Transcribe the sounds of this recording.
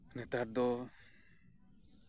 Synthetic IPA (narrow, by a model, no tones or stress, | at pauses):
nɛt̪aɾ̚d̪ɔ